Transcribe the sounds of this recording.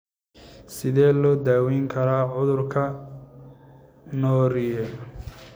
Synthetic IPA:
sɪðɛːlɔːd̪aːwiːŋkʰɐɾaːʕʊðʊrkʰɐ | nɔːɾɪjɛ

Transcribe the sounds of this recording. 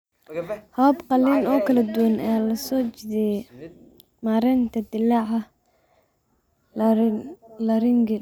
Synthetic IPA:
hɔːbqɑlɪnɔːkʰɐlɐd̪ʊwɐnʔɛːlɐsɔːt͡ʃɪðɛ | maːɾɛnt̪ʰɐd̪ɪlaʕɐ | lɐɾɪŋɡɪ

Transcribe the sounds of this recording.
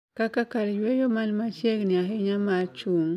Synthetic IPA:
kakakaɾjwejomalmat͡ʃekniaxeɲamat͡ʃuŋ

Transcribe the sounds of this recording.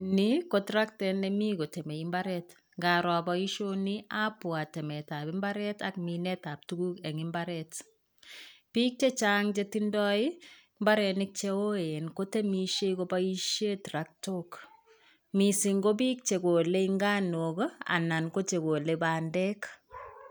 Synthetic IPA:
nikotɾak̚tɛnemikotemeimbaɾɛt | ŋɡaɾɔabaiʃoniapwatɛmɛtabɪmbaɾɛtak̚minɛtap̚tukukɛŋɪmbaɾɛt | pik̚t͡ʃet͡ʃaŋt͡ʃetindɔi | mbaɾɛnɪk̚t͡ʃeoenkotemiʃeikobaiʃetɾak̚tok | misiŋɡob̬ik̚t͡ʃekoleiŋɡanoka̰nankot͡ʃekolebandɛk

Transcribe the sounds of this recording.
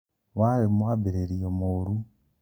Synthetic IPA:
walemwabiɾeɾijomoɾu

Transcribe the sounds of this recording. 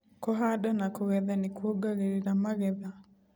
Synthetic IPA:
kɔɦadanakɔɣɛðanekwoɡaɣeɾeɾamaɣɛða

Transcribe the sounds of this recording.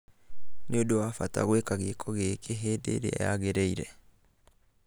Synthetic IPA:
niodowafata̰ɣwekaɣekʰɔɣekʰeɦeːdḛɾḛa̰ja̰ɣeɾɛiɾɛ̰

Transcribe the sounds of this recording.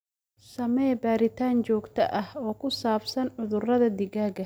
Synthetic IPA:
sɐmɛːbaːɾɪt̪ʰaːnt͡ʃɔːɡt̪ʰɐʔɐhɔːkʰʊsaːbsɐnʕʊðʊrɐðɐd̪ɪɣaːɡɐ

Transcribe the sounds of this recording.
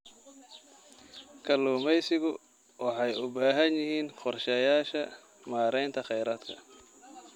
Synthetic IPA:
kʰɐluːmɛjsɪɣʊ | wɑħɑjʊbaːɦɐnjɪɦiːnqɔrʃɛːjaːʃɐ | maːɾɛjnt̪ʰɐχɛjɾaːd̪kʰɐ̰

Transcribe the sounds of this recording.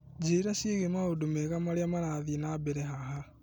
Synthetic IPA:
d͡ʒeiɾaʃiɣemaodumeɣamaɾeamaɾaðinabeɾeɦaɦa

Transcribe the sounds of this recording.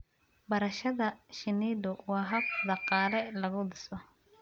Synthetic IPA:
bɐɾɐʃɐðɐʃɪniːd̪ʊwɑːɦɐkd̪ɑqɑːlɛlɐɣʊd̪ɪsɔ

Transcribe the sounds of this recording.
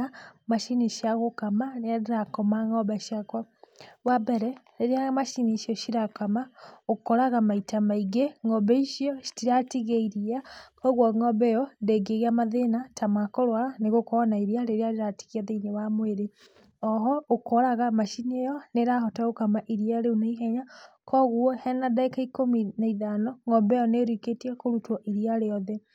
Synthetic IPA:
amaʃiniʃiaɣokamanejaɾiɾakomaŋɔβaʃiakwa | βabeɾɛ | ɾeɾiamaʃiniʃiɔʃiɾakamaokoɾaɣamaitʰamaiɡeŋoβeiʃiɔʃi̥tiɾatiɣeiɾiakoɣwoŋɔβejɔndeɡeɣiamaðenatʰamwakoɾwaneɣokonaiɾiaɾeɾeaɾeɾati̥ɣiaðeinewamweɾe | ɔɦɔokɔɾaɣamaʃinejɔneɾahɔtaɣokamaʔiɾiaɾeunaiɦɛɲakʰɔɣuɔhɛnadaekaikominaiðanɔŋɔbɛɔneɾwiketiakoɾutɔʔiɾiaɾeɔðɛ

